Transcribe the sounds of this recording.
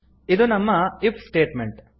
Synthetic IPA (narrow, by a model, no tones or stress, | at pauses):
id̪unɐmːɐipʰsʈe̞ːʈmeɳʈ